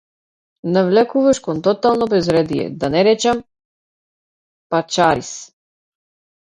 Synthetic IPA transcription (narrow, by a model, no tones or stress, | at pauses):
navlɛkuvaʃkɔnt̪ɔt̪alˠnɔbɛzɾɛd̪ijɛ̰d̪anɛɾɛt͡ʃam | pat͡ʃaɾis